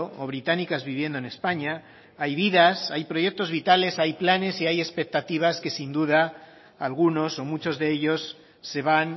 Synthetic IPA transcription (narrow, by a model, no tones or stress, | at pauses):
ooβɾit̪anikazβiβ̞je̞nd̪oene̞spaɲa | ajβ̞iðasajpɾoʝe̞k̚t̪o̞zβit̪ale̞sajplane̞siaje̞spe̞k̚t̪at̪iβ̞aske̞sind̪uða | alɣuno̞so̞mut͡ʃo̞zðe̞eʎo̞sː | e̞β̞an